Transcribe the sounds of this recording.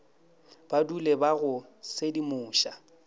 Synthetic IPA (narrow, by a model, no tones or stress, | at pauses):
b̥adulebaɣʊsedimʊːʃa